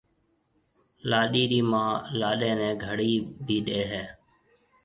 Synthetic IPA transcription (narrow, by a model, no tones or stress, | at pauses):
laːɗiːɾiːmãːlaːɗẽːnɛ̃ːɡʱəɽiːbʱiːɗeːɦɛː